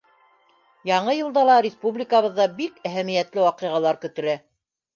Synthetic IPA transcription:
jɑɴɤjɤ̆lˠd̪ɑlˠɑɾʲɪspublʲikaβɤ̆ðːɑbikæɦæmijæt̪lɘwɑqɤ̆ʁɑlˠɑɾkɵ̆t̪ɘ̆ɾæ

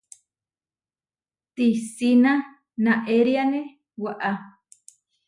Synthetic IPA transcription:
t̪isinã | nãʔeɾiane | waʔa

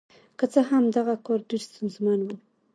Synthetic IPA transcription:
kət͡səɦamd̪aɣakɔɾɖeɾst̪ʊnzmanwu

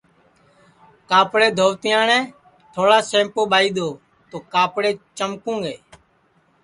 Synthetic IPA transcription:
kaːpɽeːd̪ʱoːʋt̪ɪjãːɳɛ̃ː | t̪ʰoːɽaːsẽːmpoːɓaːiːd̪oː | t̪oːkaːpɽeːt͡ʃəmkũːŋɡeː

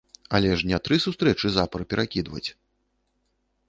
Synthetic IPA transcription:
a̰lʲɛʂnʲɛt̪ɾɨsust̪ɾɛt͡ʂɨzapɐɾpʲɛɾʔakʲid̪vɐ̰t͡sʲ

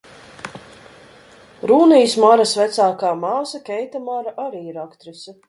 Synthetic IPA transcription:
ɾuːnijsmaɾasvæt̪saːkaːmaːsɐkʲɛjt̪amaɾaʔaɾiːiɾakt̪ɾisa

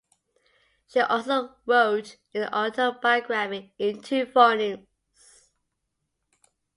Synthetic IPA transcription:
ʃiʔɔlsoʊɹoʊt | ɪ̃nʔɔtəbaɪɡɹamɪ̃ŋɪ̃ntʰʉfɔnɪ̃ŋ | s

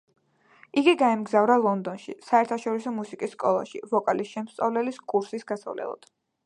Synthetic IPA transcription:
iɡiɡaɛmɡzavɾalˠɔnd̪ɔnʃḭsaɛɾt̪ʰaʃɔɾisɔmusikʼisːkʼɔlˠa̰ʃḭvɔkʼalisʃɛmst̪sʼavlɛliskʼuɾsisɡasa̰vlɛ̰lˠɔ̰d̪̥

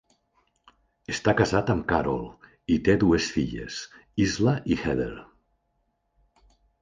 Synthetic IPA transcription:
est̪akazat̪əmkaɾo̰lˠ | it̪eðuesfiʎḛsizləʔixɛðḛɾ

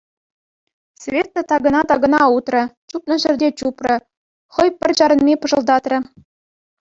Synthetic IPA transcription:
sʲvʲet̪ːŏt̪ɑɡɤ̆nɑt̪ɑɡɤ̆nɑut̪rɤ̆t͡ɕup̪nɤ̆ʑɘ̆rʲdʲet͡ɕuprɤ̆ | χɤ̆jpʲɘ̆rʲt͡ɕɑɾɤ̆nmʲepɤ̆ʐɤ̆lˠd̪ɑt̪rʲɘ̆

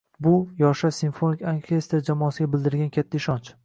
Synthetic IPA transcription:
bʊjɒʃasinfonɪkʲoŋkʲʰe̞st̪ɾd͡ʒamɒasɪɡʲabɪld̪ɪɾɡʲankʲʰat̪ʰːaɪʃɒnt͡ʃ

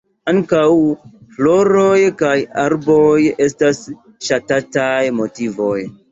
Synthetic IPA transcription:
aŋkawflo̞ɾo̞jkajaɾbo̞je̞stas | ʃatatajmo̞tivo̞j

